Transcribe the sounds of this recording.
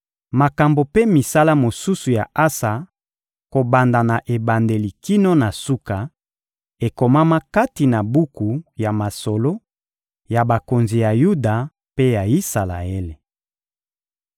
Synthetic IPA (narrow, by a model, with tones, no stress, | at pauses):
ma˨ka˨mbo˨pe˦mi˨sa˦la˦mo˨su˦su˨ja˨ʔa˦sa˨ | ko˨ba˨nda˨na˨ʔe˨ba˨nde˨li˨ki˦no˦na˨su˦ka˨ | e˨ko˨ma˦ma˦ka˦ti˨na˨bu˦ku˨ja˨ma˨so˨lo˦ | ja˨ba˨ko˨nzi˨ja˨ju˦da˨ | pe˦ja˨i˦sa˨la̰˨e˦le˨